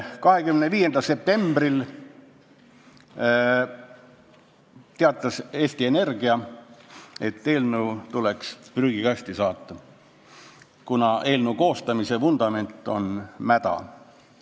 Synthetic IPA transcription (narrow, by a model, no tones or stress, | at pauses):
kɑɦe̞kymneviːje̞nd̪̥ɑlse̞p̚t̪e̞mb̥ril | t̪eɑt̪ːˑɑse̞ːst̪ie̞ne̞rɡ̥iɑ | e̞t̪ːe̞ːlnuwt̪ule̞kspryːɡ̥ikɑsʲt̪isɑːt̪ːɑ | kunɑʔe̞ːlnuko̞ːst̪ɑmise̞fund̪̥ɑme̞nt̪ːˑo̞̰nmæd̪̥ɑ̰